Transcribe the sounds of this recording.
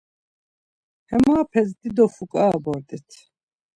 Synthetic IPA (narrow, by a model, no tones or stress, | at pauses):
hɛmaːpʰɛzd̪id̪ɔfukʼaːbɔɾd̪ʼit̪ʰ